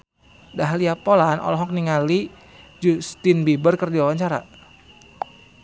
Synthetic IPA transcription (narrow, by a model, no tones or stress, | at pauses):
daɦaliapolanʔɔ̰lɔɦɔk̚niŋali | d͡ʒust̪inbibərkərdiawaɲt͡ʃaɾa̰